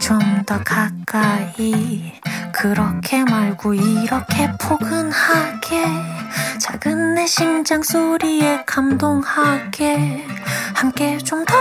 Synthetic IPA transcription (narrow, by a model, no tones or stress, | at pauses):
t͡ɕomdʌkak͈ai | kɯɾʌkʰe̞maɭɡoiɾʌkʰe̞pʰoɡɯnhaɡ̥e̞ | t͡ɕaɡɯnːe̞ɕʰind͡ʑaŋs͈oɾie̞kamdoŋhaɡ̥e̞ | hamk͈e̞t͡ɕomta